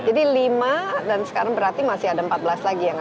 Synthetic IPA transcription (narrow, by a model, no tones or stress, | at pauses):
d͡ʒadilimadansə̥kaɾaŋbəɾart̪imasɪhadampat̪̚bəlaslaɡijaŋ